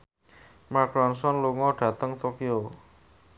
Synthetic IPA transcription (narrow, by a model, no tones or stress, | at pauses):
makɾɔnsɔnluŋɔɖ̥ä̤t̪əŋt̪okio